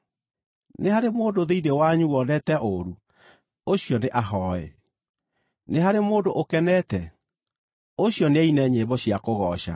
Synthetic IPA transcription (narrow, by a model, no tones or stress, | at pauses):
nehaɾemoːdoðeidewaɲuwɔnɛtɛʔoɾu | oɕijɔneʔaɦɔɛ̰ | neɦaɾemoːdoʔokɛnɛtɛ | oɕjɔneainɛɲebɔɕiakoɣɔːʃa̰